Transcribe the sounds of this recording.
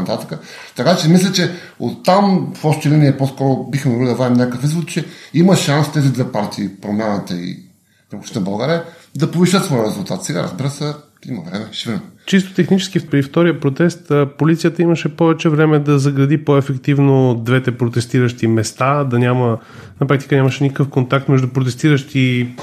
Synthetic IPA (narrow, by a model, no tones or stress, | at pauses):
t̪at̪ə̥kə | t̪ɐkat͡ʃɛmislʲɛt͡ʃɛ | ot̪ːamfɔʃt̪ɛlɛniɛposkɔɾʊbixmovilid̪ɐvaimnʲɲʲakəkfizvot̪t͡ʃɛiməʃanst̪ɛzid̪ɛpaɾt̪ʰiːpɾomʲjanət̪əḭ | ksnɐbɐlˠɡaɾiə | d̪ɐpoviʃət̪svɔjəɾɛzulˠt̪at̪sɛɡa̰ɾɐ̰zbiɾəsə | imɐ̰vɾɛmɛʃviɾt͡ʃist̪ʊ̥t̪ɛxnit͡ʃɛ̥sk̟ifpɾift̪ɔɾijəpɾot̪ɛst̪əpolit̪sijət̪əiməʃɛpɔvɛt͡ʃɛvɾɛmɛd̪ɐzɐɡɾɐd̪ipoɛfɛkt̪ivnod̪vɛt̪ɛpɾot̪ɛst̪iɾəʃt̪imɛst̪ad̪ɐnʲamə | nɐpɾak̚t̪i̥kənʲaməʃɛnikəkəfkont̪ak̚t̪mɛʒd̪upɾot̪ɛst̪iɾəʃt̪i